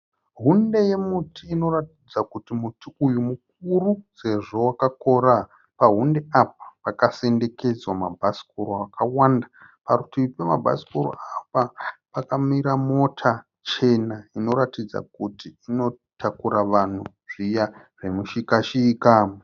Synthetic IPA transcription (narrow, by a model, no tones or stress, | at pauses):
ɦunde̞je̞mutʰiːno̞ɾatid͡zakutimutiujumuk̚uruse̞ʐo̞wakako̞ɾa | paɦunde̞ap̚ḁpakase̞nde̞ke̞d͡zwama̰bʱasi̥koɾoakawanda | paɾutipemabʱa̰si̥koɾo̰apapakamiɾamo̞tʰa | t͡ʃe̞naino̞ɾatid͡za̰kutiino̞ | tʰakuɾaʋan̤u | ʐ̥ija | ʐe̞muʃikaʃiːka